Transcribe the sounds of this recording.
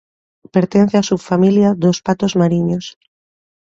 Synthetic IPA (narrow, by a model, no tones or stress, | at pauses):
peɾt̪en̟θeasuβfamiljaðospat̪ozmaɾiɲos